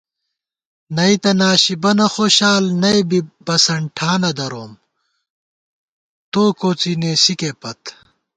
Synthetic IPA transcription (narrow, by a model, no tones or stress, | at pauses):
nɐit̪ɐnaːɕibɐnɐxoːɕaːlnɐjbibɐsɐɳʈʰaːnɐd̪ɐɾoːm | t̪oːkoːt͡sineːsikepɐt̪